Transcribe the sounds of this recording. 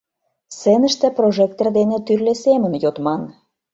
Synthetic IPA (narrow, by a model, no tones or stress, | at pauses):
senə̆ʃt̪ĕproʒek̚t̪erd̪enĕt̪yrlesemə̆njot̪mɑn